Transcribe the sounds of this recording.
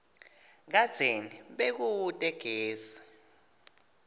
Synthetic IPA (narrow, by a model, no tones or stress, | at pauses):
k̬ad̥z̥ʱeniɓek̬uwːtʼɛɡ̥ʱeːsḁ